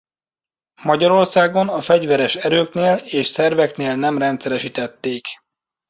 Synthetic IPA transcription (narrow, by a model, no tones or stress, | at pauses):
mɒɟɒɾo̞rsaːɡo̞nɒfɛɟvɛɾɛʃɛɾøːkneːleːʃsɛrvɛkneːlnɛmrɛnt̪sɛɾɛʃit̪ɛt̪ːeːk